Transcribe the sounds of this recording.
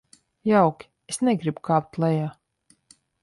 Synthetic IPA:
jawkʲi̥ | esnɛɡɾibukaːp̚t̪lˠɛjaː

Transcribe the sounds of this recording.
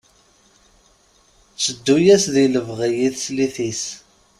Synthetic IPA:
t͡sːəd̪ːujæsðiləvʁijiθsliθis

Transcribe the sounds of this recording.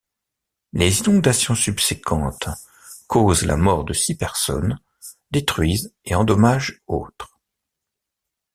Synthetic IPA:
lezinɔ̃d̪asjɔ̃sybsekʰɑ̃t̪ | kozla̰mɔʁd̪əsipɛʁsɔ̰n | d̪et̪χɥizeɑ̃d̪ɔmaʒo̰t̪χ

